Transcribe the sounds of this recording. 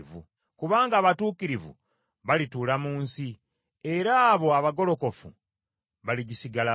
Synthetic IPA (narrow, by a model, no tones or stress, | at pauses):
vṵ | kuβaːŋɡaːβatuːkiɾivṵ | βalituːlamuːnsi | e̞ɾaːβo̞aβaɡo̞lo̞ko̞fṵ | βaliɟisiɡala